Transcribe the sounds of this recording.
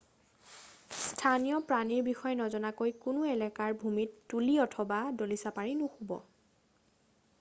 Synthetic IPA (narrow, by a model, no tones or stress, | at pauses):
stʰanijɔpɹaniɹbixɔjnɔzɔnakojkunʊɛlɛkaɹbʱumitːuliɔtʰɔbadolisapaɹinʊxubɔ̰